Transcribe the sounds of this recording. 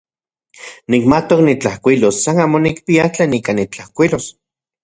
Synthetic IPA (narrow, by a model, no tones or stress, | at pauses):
nik̚mat̪oknit͡ɬahkʷilosːanaːmonik̚piat͡ɬeːnikanit͡ɬahkʷilos